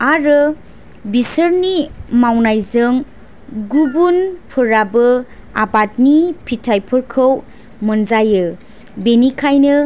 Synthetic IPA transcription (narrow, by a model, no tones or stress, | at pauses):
aɾɯ | bisəɾnimawnajzɯŋ | ɡubunpʰɯɾabɯabat̚nipʰitʰajpʰɯɾkʰɯw | mɯnzajɯ | benikʰajnɯ